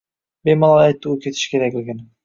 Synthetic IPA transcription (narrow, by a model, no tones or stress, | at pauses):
bejmɑlˠɑjɑjt̪ːuuket̪ʰi̥ʃke̞ɾek̚eɡʲen